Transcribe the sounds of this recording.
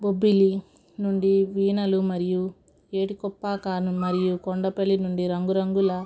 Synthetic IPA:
bobːili | nuɳɖiʋiːnɐlumɐɾiju | e̞ːʈikɔpːaːkaːnumɐɾijukɔɳɖɐpelːinuɳɖiɾɐŋɡuɾɐŋɡulɐ

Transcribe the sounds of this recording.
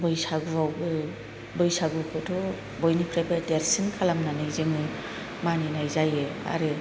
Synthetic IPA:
bɔjsaɡuɾawbɯ | bɔjsaɡuakɯdɔ | bɔjnipʰɾajbadeɾsinkʰalamnanɯjzeŋɯ | maninajzajea̰ɾɯ

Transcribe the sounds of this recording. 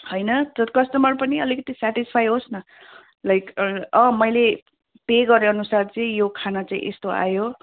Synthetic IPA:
hojnʌt̪ʌkʌst̪ʌmʌrpʌniʌlikʌt̪isaʈispʰajɦosnʌ | lajkʰʌ̃mʌjle | peɡʌɾeʌnusart͡sʌĩjokʰanat͡saḭ̃ʔḛst̪oa̰jo

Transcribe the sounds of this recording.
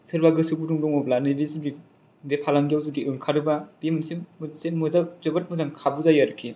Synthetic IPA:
sɯɾbaɡɯsɯbuduŋdɔŋɔblanɯbezidi | bepʰalamɡijawzɯdiʔɯŋkʰaɾɯbab̥imɯnsemɯzasemɯzad͡ʒɯbat̚mɯzaŋkʰabuzajaɾɯkʰːi

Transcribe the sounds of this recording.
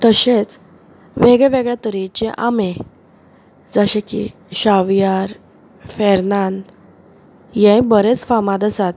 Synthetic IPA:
t̪əɕet͡s | ʋeɡɭɛʋeɡɭjat̪əɾit͡ɕẽʔame | d͡zəɕẽkḭ | ɕaʋjaɾ | fɛɾnand̪ | jɛ̃jbəɾet͡sfamad̪əsat̪̚

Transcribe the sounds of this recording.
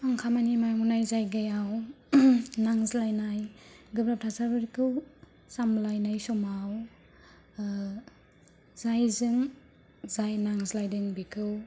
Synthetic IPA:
aŋkʰamanimajmunajzajɡajaw | naŋzlajnajɡɯbɾap̚tʰasabɯɾikʰɯw | samlajnajsɔmaw | zajzɯŋ | zajnaŋzlajdɯŋbikʰɯw

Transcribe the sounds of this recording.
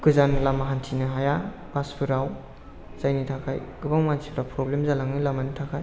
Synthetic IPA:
kɯzanlamaɦantʰinɯɦaja | b̥aspʰɯɾaw | zajnitʰakʰajɡɯbaŋmaantʰi̥pʰɾawpɾɔblemzalaŋɯlamanitʰakʰaj

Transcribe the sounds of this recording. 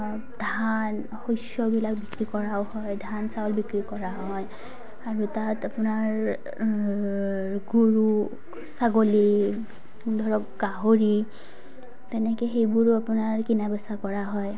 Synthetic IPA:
dʱan | hojsjɔbilak̚bikɹikɔɹawhɔjdʱansawlbikɹikɔɹaɦɔj | aɹutatapʊnaɹ | ɡuɹu | saɡoli | dʱɔɹɔk̚ɡaɦoɹi | tɛnɛkɛxejbuɹapʊnaɹkinabɛsakɔɹaɦɔj

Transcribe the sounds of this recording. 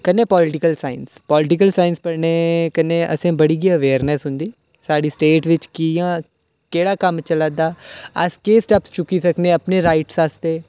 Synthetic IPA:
kənːeːpɔːlɪʈɪkəlsaːɪnspɔːlɪʈɪkəlsaːɪnspəɽneːkənːeːə̰sẽːbəɽiːɡiːəʋeːɾnɛːsɦʊ̃nd̪iː | saːɖiːsʈeːʈʋɪt͡ʃkijãː | keːɽaːkəmt͡ʃəlaːd̪aːəskeːsʈɛpst͡ʃʊkiːsəkneːəpneːɾaːɪʈsast̪eː

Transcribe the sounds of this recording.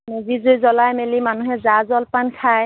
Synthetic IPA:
mezizojzɔlajmelimanuɦɛzazɔlpankʰaj

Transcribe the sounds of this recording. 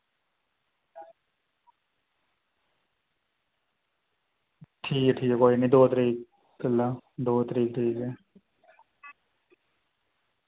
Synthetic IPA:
ʈʰiːkʈʰiːkɛːkoːiːniːd̪oːt̪əɾiːk | kʰəlaːd̪oːt̪əɾiːk̚ʈʰiːkɛː

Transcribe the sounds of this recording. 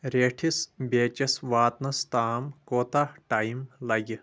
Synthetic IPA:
ɾeːʈʰisbeːt͡ʃɐsʋaːt̪nɐst̪aːmkoːt̪ahʈajimlɐj

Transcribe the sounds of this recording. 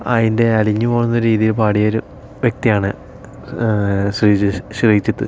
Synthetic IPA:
ɐ̰ðinde̞ɐɭiɲːɨpoːɻunːɐoɾuɾiːðijilpaːɽijɐoɾu | ʋjek̚t̪ijaːɳɨ | ɕriɕrijit͡ɕːit̪ːɨ̰

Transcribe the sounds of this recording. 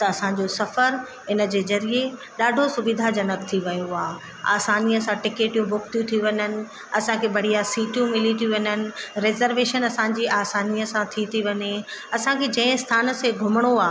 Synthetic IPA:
t̪ɐɐsã̆d͡ʑosɐfəɾ | ɪnə̆d͡ʑeːzɐɾie | ɗaːɖʱosʊbid̪ʱad͡ʑɐnəkt̪ʰiʋɐjoaː | a̰ːsaːniːəsãʈɪkeːʈijũbʱʊkt̪ʰjũt̪ʰiʋɐɲənɪ̆ | ɐsãkʰebɐɽ̤ijasiːʈjũmɪlit̪ʰiʋɐɲənɪ̆ɾeːzəɾʋeːʃənɐsãɲd͡ʑiaːsaːnijəsãt̪ʰit̪ʰiʋɐɲeɐsãkʰed͡ʑɐ̃ːɪ̃st̪ʰaːn̆seɡʱʊməɽ̃oaː

